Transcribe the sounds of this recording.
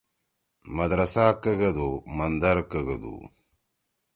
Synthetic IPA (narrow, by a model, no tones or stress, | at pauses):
mɐd̪ɾɐsaːkəɡɐd̪umɐnd̪ɐɾkəɡɐd̪ṵ